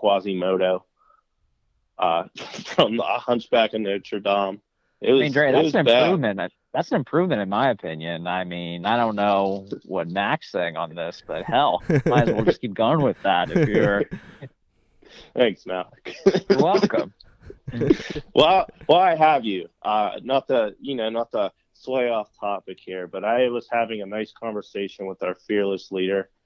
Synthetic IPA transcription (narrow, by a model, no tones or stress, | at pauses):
kʰw̥ɑzimoʊɾoʊ | ʔʌ̰fɹʌ̃mə̰hʌ̃nt͡ʃb̥ækɨ̃nɨt͡ʃə˞dɑ̃m | ɪt̚wʌmɪ̃ndɹeɪðæt̚wʌznɨ̃pɹʉvmɨ̃nt | ðætsn̩ɨ̃mpʰɹ̥ʉvmɨ̃ɾ̃ɨ̃nmaɪɨpʰɪ̃njɨ̃naɪmĩnaɪɾõʊ̃nːoʊwʌ̰t̚mækseɪɪ̃ŋə̰̃nðɪsb̥ʌt̚hɛlˠaɪwlˠd͡ʒʌskʰip̚ɡ̥ʌ̃nwɪðæɾɨfjə˞ | θæ̃ŋksmæ̰lˠəkwɛlˠkə̰̃m̩ | wʔɛlˠwaaɪɦəvjʉʔʌ̰nət̪̚ʰɨjɨnoʊnət̪̚ʰə | sweɪɔftʰɑpɨkhiɹbʌɾaɪwʌz̥hævɪ̃ŋɨnaɪskʰɑ̃ɱvə˞seɪʃɨ̃nwəðə˞fɪɹləsliɾə˞